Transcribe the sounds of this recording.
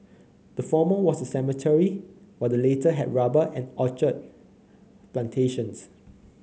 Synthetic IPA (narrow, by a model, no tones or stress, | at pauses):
d̥əfɔməwɔsdəsɛmətʰɛɹiwɛdəletəɦɛ̰dɹabəʔɛ̃nɔt͡ʃət̚ | plãntʰeʃə̃ns